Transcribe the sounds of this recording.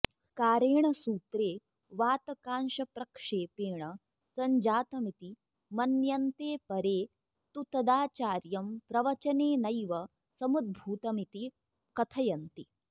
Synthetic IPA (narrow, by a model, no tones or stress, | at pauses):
kaːɾeːɳɐsuːt̪ɾeː | ʋaːt̪ɐkaːnʃɐpɾɐkʂeːpeːɳɐ | sɐɲd͡ʒaːt̪ɐmit̪i | mɐnjɐnt̪eːpɐɾeː | t̪ut̪ɐd̪aːt͡ʃaːɾjɐmpɾɐʋɐt͡ʃɐneːnɐjʋɐ | sɐmud̪̚bʱuːt̪ɐmit̪i | kɐt̪ʰɐjɐnt̪i